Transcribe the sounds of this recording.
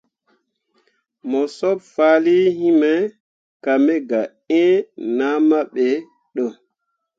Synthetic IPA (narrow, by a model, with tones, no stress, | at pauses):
mɔ˨sɔ˦pfaː˨˦li˦hi˦mɛ˦ | ka˨mɛ˦ɡa˨ | ẽ˦na˦ma˦ɓe˨ | ɗo˦˨